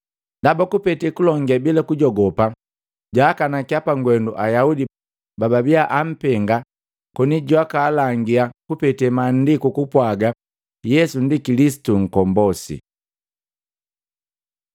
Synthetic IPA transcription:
ndabakupɛtɛkulɔŋɡɛbilakuɟɔɡɔpa | ɟaːkanakiapaŋɡwɛnduʔajaudi | bababiaʔam̩pɛŋɡa | kɔniɟwakaːlaŋɡiakupɛtɛmandikukupwaɡa | jɛsun̩dikilisi̥tuŋ̩kɔmbɔsḭ

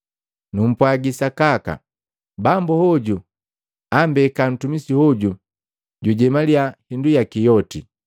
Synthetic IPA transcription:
num̩pwaɡisakaka̰ | bambuhɔɟu | ambɛkan̩tumisihɔɟu | ɟuɟɛmaliahindujakijɔti

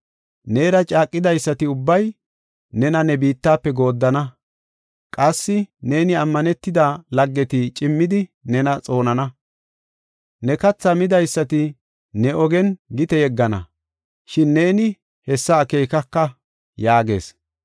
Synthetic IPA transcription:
ne̞ːɾɐt͡ʃʼaːkʼːɪd̪ɐjsːɐt̪ɪʊbːɐj | nɛnɐnɛbiːt̪ːaːpːɛɡo̞ːd̪ːɐnɐ | kʼɐsːɪne̞ːnɪɐmːɐnɛt̪ːɪd̪alɐɡːɛt̪ɪt͡ʃʼɪmːɪd̪ɪnɛnɐt͡sʼo̞ːnɐnɐ | nɛkɐt͡sːɐmɪd̪ɐjsːɐt̪ɪ | nɛʔɔɡɛnɡɪt̪ɛjɛɡːɐnɐ̰ | ʃɪnːe̞ːnɪ | hɛsːɐːke̞jkɐkːɐ | jaːɡe̞̰ːs

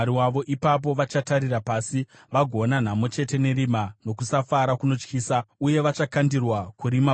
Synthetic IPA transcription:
ɾiwaʋo̞ʔipap̬o̞ʋat͡ʃataɾirapaːsi | ʋaɡʱo̞nan̤amo̞t͡ʃe̞te̞ne̞ɾimano̞kusafaɾakuno̞t͡ʃkiːsauje̞ʋat͡ʃakandirwakuɾima

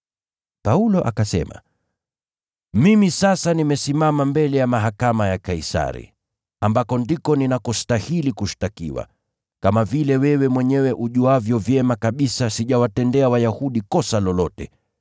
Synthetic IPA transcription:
paulɔʔakasɛ̰ma̰ | mimisasanimɛsimamambɛlɛjamaɦakamajakaisa̰ɾḭ | ambakɔndikɔninakɔstahilikuʃtakḭwa̰ | kamavilɛwɛwɛmwɛɲɛwɛʔuʄuavjɔvjɛmakaɓisasiʄawatɛndɛawajahuɗikɔsalɔlɔtɛ̰

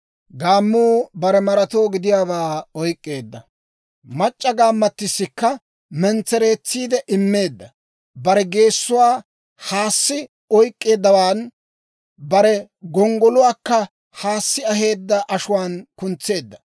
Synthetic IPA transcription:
ɡaːmːuːbɐɾɛmɐɾɐt̪o̞ːɡɪd̪ɪjaːbaːɔjkʼːe̞ːd̪ːɐ | mɐt͡ʃʼːɐɡaːmːɐt̪ːɪsːɪkːɐ | mɛnt͡sːɛɾe̞ːt͡sːiːd̪ɛʔɪmːe̞ːd̪ːɐ | bɐɾɛɡe̞ːsːʊwaː | haːsːɪ | ɔjkʼːe̞ːd̪ːɐwaːn | bɐɾɛ | ɡɔŋɡɔlʊwaːkːɐ | haːsːɪɐɦe̞ːd̪ːɐʔɐʃʊwaːnkʊnt͡sːe̞ːd̪ːɐ̥

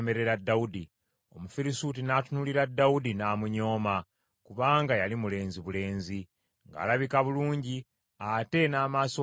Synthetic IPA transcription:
me̞ɾe̞ɾadːaudi | o̞mufiɾisut̬inatunuliɾadːaudinaːmuɲo̞ːma | kuβaːŋɡajalimule̞ːnziβule̞ːnzi | ŋɡa̰ːlaβikaβuluːɲɟi | ate̞naːmaːso

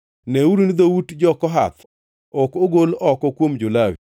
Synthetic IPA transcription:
nɛuɾunid̪owutd͡ʒɔkɔɦa̰t̪ʰ | ɔkoɡolɔkɔkwomd͡ʒʊlawḭ

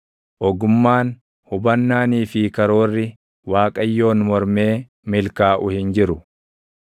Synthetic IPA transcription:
ʔɔɡʊmːaːn | hʊbɐnːaːniːfɪkɐɾo̞ːrːɪ | waːkʼɐjːo̞ːnmɔɾme̞ː | mɪlkaːʔʊhɪnd͡ʒɪɾʊ

